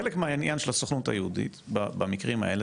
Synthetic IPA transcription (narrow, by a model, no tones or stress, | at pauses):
elekmeainjanʃelasoχnut̪a̰jehudḭt̪babamikʁima̰ele